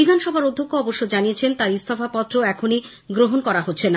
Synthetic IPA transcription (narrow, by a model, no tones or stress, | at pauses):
bid̪ʱanʃɔbʱaɾod̪ʱːokːoɔboʃːod͡ʑaniet͡ɕʰent̪aɾist̪ʰɔfapɔt̪ːɾoɛkʰoni | ɡɾoɦonkɔɾaɦotːɕʰena